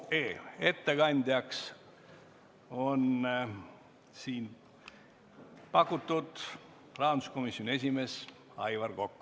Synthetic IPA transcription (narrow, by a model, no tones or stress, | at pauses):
eːe̞t̪ːe̞ɡɑnʲd̪jɑks | o̞n | siːn | pɑkːˑut̪ːud̪̥ | rɑːnd̪u̥sko̞misjonʲie̞s̬ʲime̞s | ɑ̰jvɑrko̞kːu̥